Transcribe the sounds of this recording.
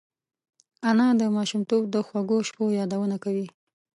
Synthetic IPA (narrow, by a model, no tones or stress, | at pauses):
anɑd̪əmɑʃumt̪ob̚d̪əxwaɡoʃpojɑd̪awənakawi